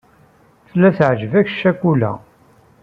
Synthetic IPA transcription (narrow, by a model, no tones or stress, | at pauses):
θlːæθʕʒəvæç̥ʃækːulæ̰